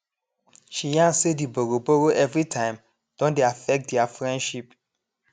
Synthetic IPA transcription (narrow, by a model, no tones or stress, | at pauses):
ʃijãnsediboɾoboɾoʔɛvɹitʰãɪ̃m | d̥ɔ̃ndeafɛk̚t̚dɛafɹɛ̃ndʃip̚